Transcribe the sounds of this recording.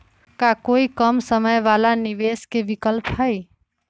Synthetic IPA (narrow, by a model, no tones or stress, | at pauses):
kakoikəmsəməjʋalaniʋeskebikəlpʰɦəj